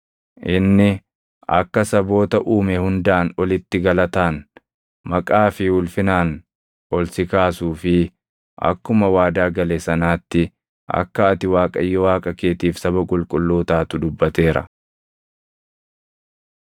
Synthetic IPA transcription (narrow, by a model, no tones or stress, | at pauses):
ʔɪnːɪ | ʔɐ̰kːɐsɐbo̞ːt̪ɐʔuːmɛhʊnd̪aːnɔlɪt̪ːɪɡɐlɐt̪aːn | mɐkʼaːfɪʊlfɪnaːn | ʔɔlsɪkaːsuːfɪ | ʔɐ̰kːʊmɐwaːd̪aːɡɐlesɐnaːt̪ːɪ | ʔɐ̰kːɐːt̪ɪwaːkʼɐjːɔwaːkʼɐkeːt̪iːfsɐbɐkʼʊlkʼʊlːuːt̪aːt̪ʊd̪ʊbːɐt̪e̞ːɾɐ̰